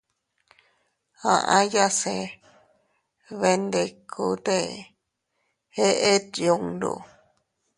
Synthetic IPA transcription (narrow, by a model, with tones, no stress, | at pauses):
ã̰˨ʔã˦ja˦se˧ | βe˧nd̪e˧kʰu˧˨t̪e˦ | he˦ʔe˦t̪jũ˧ŋd̪ṵ˧˨